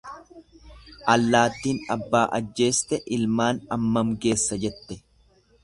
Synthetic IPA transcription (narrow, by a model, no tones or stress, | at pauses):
ʔɐlːaːt̪ːiːnɐbːaːʔɐd͡ʒːe̞ːst̪ɛʔɪlmaːnɐmːɐmke̞ːsːɐd͡ʒɛt̪ːɛ